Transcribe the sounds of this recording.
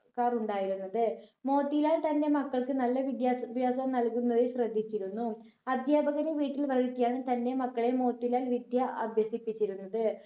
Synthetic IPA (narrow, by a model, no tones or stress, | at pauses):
kaːruɳɖaːjiɾunːɐðɨmo̞ːt̪ːilaːlt̪ɐnde̞mɐkːɐɭkɨnɐlːɐʋid̪jasbʱjaːsɐmnɐlkunːɐðeɕrɐd̪ʱːit͡ɕːiɾunːu | ɐd̪ʱjaːbʱɐɣɐɾɐʋiːʈːilʋɐɻikːijaːɳɨt̪ɐnde̞mɐkːɐɭe̞mo̞ːt̪ːilaːlʋid̪ʱjɐʔɐbʱjɐsipːit͡ɕːiɾunːɐðɨ